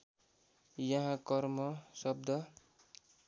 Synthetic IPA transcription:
jʌɦãkʌrmʌsʌb̚d̪ʌ

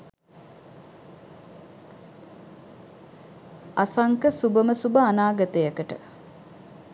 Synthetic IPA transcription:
asaŋkəsubəməsubəanaːɡət̪əjəkəʈə̰

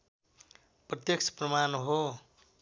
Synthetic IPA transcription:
prʌt̪jʌk̚sʰprʌmanɦo

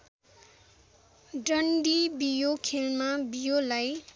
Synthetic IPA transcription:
ɖʌɳɖibijokʰelmabijolaj

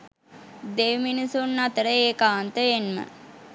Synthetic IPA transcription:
d̪eːʋminisunːat̪əɾəeːkaːnt̪əenmə̰

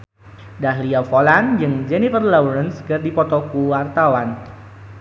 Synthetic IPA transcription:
daɦliafoland͡ʒɨŋd͡ʒɛnifərlaɾənskərdipɔt̪ɔkuwart̪awan

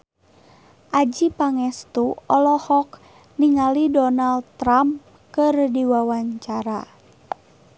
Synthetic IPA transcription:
ʔad͡ʒipaŋɛst̪uɔlɔhɔk | niŋalidɔnald̚t̪ɾam | kɨrdiwawaɲt͡ʃaɾa̰

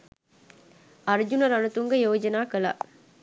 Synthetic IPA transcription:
ɐɾd͡ʒunɐɾɐnut̪uŋɡɐjoːd͡ʒɐnaːkɐla̰ː

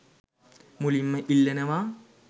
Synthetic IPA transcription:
mulimːɐʔilːɐnɐʋaː

